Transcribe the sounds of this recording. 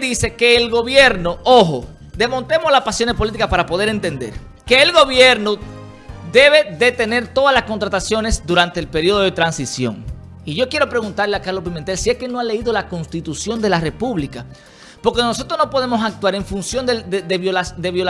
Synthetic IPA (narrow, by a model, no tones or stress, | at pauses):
ðise̞ke̞ːlɣo̞βje̞ɾnoʔoɦo | d̪e̞mõ̞nt̪e̞moslaspasjo̞nespo̞lit̪ikaspaɾapo̞ðe̞ɾe̞nt̪e̞nd̪e̞̰ɾ | ke̞ːlɣo̞βje̞ɾno | ðe̞βe̞ðe̞t̪e̞ne̞ɾt̪oðalasko̞nt̪ɾat̪asjo̞ne̞sd̪uɾant̪eːlpe̞ɾio̞ð̞o̞ð̞e̞t̪ɾansisjo̞̰ŋ | iʝo̞kje̞ɾo̞pɾe̞ɣunt̪aɾleakaɾlopiment̪elsieske̞no̞ale̞iðolako̞nst̪it̪usjo̞nd̪e̞lare̞puβlika | po̞ɾkenoso̞t̪ɾo̞sno̞po̞ðe̞mo̞sak̚t̪waɾe̞ɱfunsjo̞nd̪ededeβoad̪e̞βjo̞l